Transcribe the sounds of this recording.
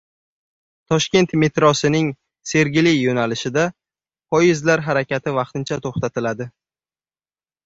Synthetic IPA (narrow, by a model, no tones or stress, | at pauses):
t̪ʰɒʃkʲe̞nt̪me̞t̪ɾɒsɪnɪŋ | se̞ɾɡʲɪlɪjonalɪʃɪd̪a | pɒjɪzlaɾɦaɾakʲat̪ʰɪvɑqt̪ɪnt͡ʃʰat̪ʰoχt̪at̪ʰɪlad̪ɪ